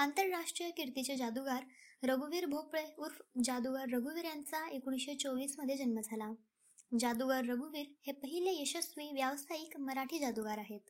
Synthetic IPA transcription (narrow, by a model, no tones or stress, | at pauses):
ant̪əɾːaʂʈɾijəkiɾt̪it͡ɕed͡ʑad̪uɡaɾɾəɡuʋiːɾbʱopɭeuɾfd͡ʑad̪uɡaɾːəɡuʋiɾjãnt͡saekuɽ̃iɕet͡soʋiːsməd̪ʱːjed͡ʑənməd͡zʱala | d͡ʑad̪uɡaɾːəɡuʋiːɾhepəɦilejeɕəsʋiʋjaʋsaiːkməɾaʈʰiːd͡ʑad̪uɡaɾaɦet̪